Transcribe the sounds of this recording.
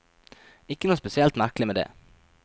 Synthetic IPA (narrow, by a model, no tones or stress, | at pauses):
ɪkːənuːspɛsɪɛlt̪mæɾklɪmeːd̪ḛː